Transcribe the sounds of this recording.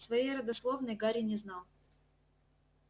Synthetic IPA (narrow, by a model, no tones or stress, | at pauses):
svɐjejɾəd̪ɐslˠo̞vnəjɡaɾʲɪnʲɪznɑlˠ